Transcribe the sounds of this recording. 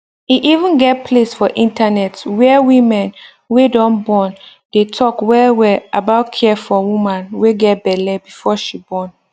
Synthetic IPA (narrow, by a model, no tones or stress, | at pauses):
iʔivə̃nɡɛt̚pʰlesfɔʔĩntanɛtwɛwĩmɛ̃n | wedɔ̃nbɔ̃n | d̥etʰɔkwɛlwɛlabaʊt̚kʰɛfɔwũmãnweɡɛt̚bɛlɛbifɔʃibɔ̃n